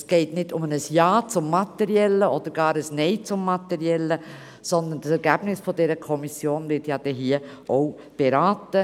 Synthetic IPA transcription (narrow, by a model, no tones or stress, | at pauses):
sɡ̥eɪtnɪdʊmənəsjɑːt͡sʊmːɑtɛɾiɛlːəɔd̥̪əɾɡ̥ɑːɾəsneɪt͡sʊmːɑtɛɾiɛlːə | sɔnd̪əndəsɛɾɡ̥æb̥nɪsfɔdɛɾəkʰɔmisjoːnvɪtjɑːd̥ɛɦiːə | ʔoʊ | b̥eɾaːtə